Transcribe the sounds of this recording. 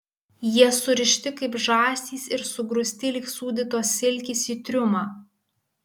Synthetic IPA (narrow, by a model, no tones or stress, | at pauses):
jiɛsʊɾʲɪʃʲt̪ʲɪkɐɪpʒɑːsʲt̪ʲiːsɪɾsʊɡɾʊsʲt̪ʲɪlʲɪksuːd̪ʲɪt̪oːsʲɪlʲkʲɪsʲiːt̪ʲɾʲʊmɑː